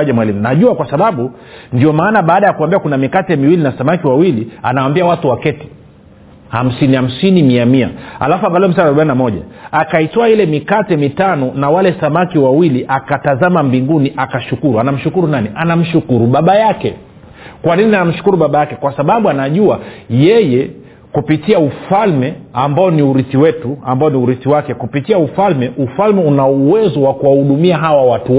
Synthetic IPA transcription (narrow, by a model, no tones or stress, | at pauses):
ʄɛmwalimunaʄuakwasaɓaɓu | ndiɔmaːnaɓaːɗajakuwambiakunamikatɛmiwilinasamakiwawilia̰nawambiawatuwakɛti̥ | ham̩siniham̩sinimiamia̰ha̰lafuaɡaliɔmis̬anaɾuɓaininamɔʄa̰akaitɔailɛmikatɛmitanɔnawalɛsamakiwawiliʔakatazamambiŋɡuniʔakaʃukuɾuanam̩ʃukuɾunaniʔanam̩ʃukuɾuɓaɓajakɛ̰ | kwaninianam̩ʃu̥kuɾuɓaɓajakɛkwasaɓaɓuanaʄuajɛjɛ | kupitiaufalmɛambaɔniuɾiθiwɛtuambaɔniuɾiθiwakɛkupitiaufalmɛʔufalmɛunauwɛzɔwakuwahuɗumiaɦawawatu